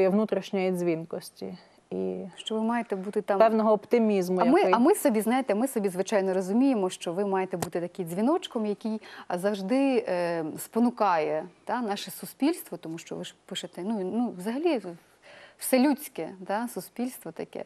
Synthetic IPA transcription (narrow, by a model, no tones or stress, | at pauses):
jɛʋnut̪ɾʲiʃnʲɐizʲʋʲinkɔsʲtʲḭ | ḭʃt͡ʃɔʋɪmɑjet̪ɛbut̪ɪt̪ɑpɛwnɔɦɔɔpt̪ɪmʲizmʊjmɪɐmɪsɔbʲiznɑjet̪ɛmɪsɔbʲizʋɪt͡ʃɑjnɔɾɔzʊmʲijemɔʃt͡ʃɔʋɪmɑjet̪ɛbut̪ɪt̪ɐkɪjzʲʋʲinɔt͡ʃkɔmjɐkʲijzɐwʒd̪ɪ | spɔnʊkɑjɛt̪ɑnɑʃɛsʊspʲilʲst̪ʋɔt̪ɔmuʃt͡ʃɔ̰ʋɪʒpɪʃɐt̪ɛnunuʋzɐɦɐlʲi | w̥sɛlʲut͡sʲkɛt̪ɑsʊspʲilʲst̪ʋɔt̪ɐkɛ̰